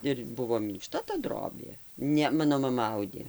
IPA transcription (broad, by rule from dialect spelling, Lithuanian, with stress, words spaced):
ˈɪr ˈbʊʋoː mʲɪŋkˈʃtɐ tɐ ˈdroːbʲeː ˈnʲɛ ˈmɑːnoː mɐˈmɐ ˈɐʊdʲeː